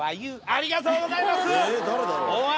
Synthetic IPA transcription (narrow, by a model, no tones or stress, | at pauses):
ajɯaɾʲiɡat̪oːɡozaimasɨed̪oɾɯd̪ooa